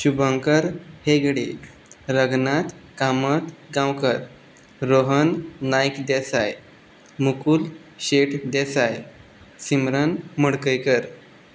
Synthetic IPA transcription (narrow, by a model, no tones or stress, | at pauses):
ɕubʱəŋkəɾheɡɽi | ɾəɡnat̪kamət̪ɡãwkəɾ | ɾoɦənːajkd̪esaj | mukuːl | ɕeʈʰd̪esaj | simɾənməɽkəjkəɾ